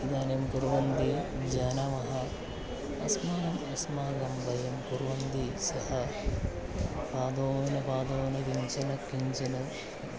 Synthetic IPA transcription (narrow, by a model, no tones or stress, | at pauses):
id̪aːnjɐmkuɾʋɐnd̪id͡ʒaːnamɐɦɐ | ɐsmaːɡɐmɐsmaːɡɐmbɐjɐmkuɾʋɐnd̪isɐhɐ | paːd̪oːɐnɐpaːd̪oːʋɐnɐkiɲt͡ʃɐnɐkiɲt͡ʃɐnɐ